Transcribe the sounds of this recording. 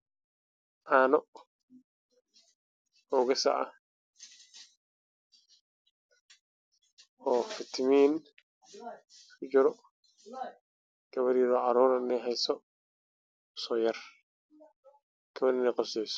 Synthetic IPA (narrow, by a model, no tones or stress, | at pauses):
ʔaːnɔ | ɔːɣɐsɐ̰ʔɐ̰ | ɔːfɪt̪ʰɪmiːn | d͡ʒɪɾɔ | ɡ̥ɐβɐɾjɪɾɔʕɑɾuːɾɐɪnɛɦɛjsɔ | sɔːjɐr | kʰɐβɐnɪnɛjqɔsɛjsɔ̥